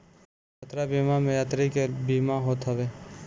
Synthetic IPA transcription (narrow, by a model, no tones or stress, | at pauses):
jat̪ɾabiːmamẽjaːt̪ɾikebimaɦoːt̪ɦəʋeː